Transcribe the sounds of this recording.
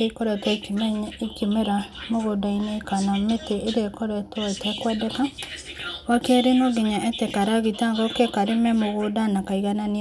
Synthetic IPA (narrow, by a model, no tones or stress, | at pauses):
eikoɾɛtakmekimeɾamoɣodainekanameteʔeɾekɔɾɛtaitɛkwɛdɛka | wakɛɾenoɡiɲaʔɛtɛkaɾaɣitaŋɡɔkekaɾemɛmoɣodanakaiɣanani